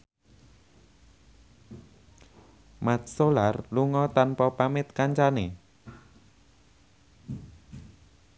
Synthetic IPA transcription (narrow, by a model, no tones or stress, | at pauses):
mat̪̚solarluŋɔt̪anpɔpamɪt̪̚kaɲt͡ʃane